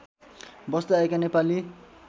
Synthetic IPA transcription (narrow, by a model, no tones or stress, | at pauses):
bʌst̪aaekanepali